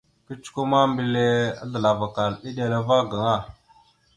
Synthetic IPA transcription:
kə˦t͡ʃu̥˦ku˦ma˦mbi˦le˦a̰˦ɮə˨la˨va˨ka˨ni˦ɗa˨la˨va˦ɡa˨ŋa˦˨

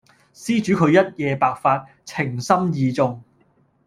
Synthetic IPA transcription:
siː˥t͡ʃyː˨˥kʰɵ˨˧ɥjɐ˥t̚jɛː˨˧paː˨k̚faː˧t̚ | t͡sʰɪ˨˩ŋsɐ˥mjiː˨t͡sʊ˧ŋ

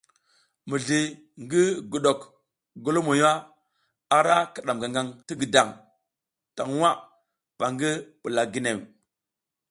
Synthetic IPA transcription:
mi˨ɮi˨ | ŋɡi˦ɡu˨ɗo˨k | ɡo˦lo˦mo˨ja˦ | a˨ɾa˦ka˨ɗa˨mɡa˨ŋɡa˨ŋti˦ɡi˨da˨ŋ | ta˨ŋ˦wa˦ | ɓa˨ŋɡi˦ɓu˨la˨ɡi˦ne˨w

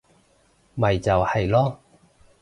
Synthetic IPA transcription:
mɐ˨˩jt͡sɐ˨whɐ˨˩jlɔː˥

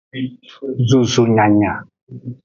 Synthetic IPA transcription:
zu˦zu˦ɲa˨ɲa˨

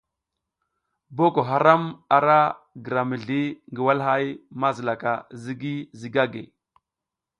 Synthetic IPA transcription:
bo˦ko˨ɦa˦ɾa˦ma˨ɾa˦ | ɡə˨ɾa˨mə˨ɮi˦ŋɡi˨wa˦lɦa˦jma˦zi˨la˨ka˨zi˦ɡi˦zi˨ɡa˦ɡḛ˨

